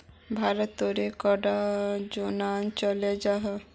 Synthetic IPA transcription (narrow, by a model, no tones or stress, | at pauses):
bʱaɾət̪ːoɾekɔɖad͡ʒonant͡ʃɔlad͡ʒaɦɔ